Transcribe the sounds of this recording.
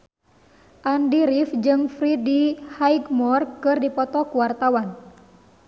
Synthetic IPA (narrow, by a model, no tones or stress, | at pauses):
ʔandiɾifd͡ʒɨŋfɾidihaiɡmɔrkɨrdipɔt̪ɔkuwart̪awan